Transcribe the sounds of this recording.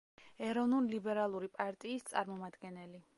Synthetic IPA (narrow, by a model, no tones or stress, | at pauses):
ɛɾɔvnulilibɛɾalˠuɾipʼaɾt̪ʼiːst̪sʼaɾmɔmad̪ɡɛnɛli